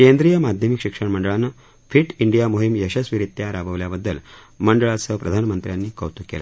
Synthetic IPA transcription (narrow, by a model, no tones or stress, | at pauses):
kend̪ɾijəmad̪ʱjəmikɕikʂəɳməɳɖəɭanːə | fiʈiɳɖijamoɦimjəɕəsʋiɾit̪jaɾaʋəʋljabəd̪ːəl | məɳɖəɭat͡səpɾəd̪ʱanəmənt̪ɾjanːiːkə̰ʋt̪ukḛla̰